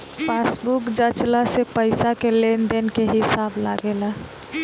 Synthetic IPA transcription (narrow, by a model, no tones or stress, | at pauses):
pasbukd͡ʒət͡ʃlasepəɪsakelenɖenkeɦɪsaːbla̰ɡela